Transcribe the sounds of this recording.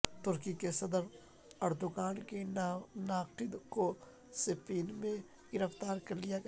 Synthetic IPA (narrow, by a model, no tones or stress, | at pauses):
t̪ʊɾkikesɐd̪əɾ | ɐɾd̪ʊɡaːnkenaːkʈɪd̪ko | sɪpiːnmẽ | ɡɪɾəft̪aːɾkɐɾlijaɡ